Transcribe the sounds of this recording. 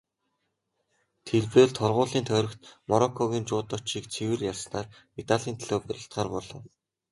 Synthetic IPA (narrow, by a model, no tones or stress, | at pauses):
t̪ʰeɮpeːɮt̪ʰɔrʁʊːɮiːnt̪ʰœːɾɞ̆kt̪mɔɾɔkʰːɔɣʲiːnt͡ɕʊːt̪ɔt͡ɕiːkt͡sʰewɘ̆rjarsnaːr | it̪aɮiːnt̪ʰɮoːpæɾʲɪ̆ɬt̪χaːrpɔɮɔ̰̆ː